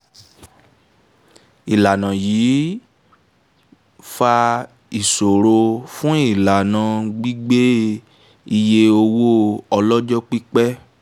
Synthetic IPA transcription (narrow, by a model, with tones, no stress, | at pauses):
i˨la˨nã˨jiː˨˦ | fa˧ | i˨so˨ɾo˧fũ˦i˦˨la˨nã˨˦ɡ͡bi˦ɡ͡be˦ | i˧je˧o˧wo˦ɔ˧lɔ˦d͡ʒɔ˦k͡pi˦k͡pɛ˦